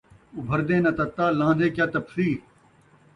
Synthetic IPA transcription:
ubʱɐɾd̪ẽːnɐt̪ɐt̪ːaːlãːd̪ẽːkjaːt̪ɐpsiː

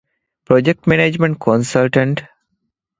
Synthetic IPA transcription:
pɾod͡ʒek̚ʈmeneːd͡ʒmẽɳʈ̚kʰõnsəlʈə̃ɳʈ

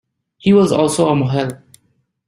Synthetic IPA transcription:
hiːwɔzɔːlˠsoːəmoɦɛl

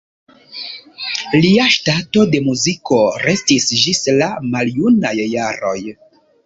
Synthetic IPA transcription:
liaʃtato̞de̞muziko̞ɾe̞stisd͡ʒislamaljunajːaɾo̞̰j

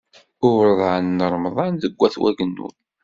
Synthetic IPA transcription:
ʊɾðˤanːəɾˤmðˤɑnðəɡʷːæθwæɡənːṵn

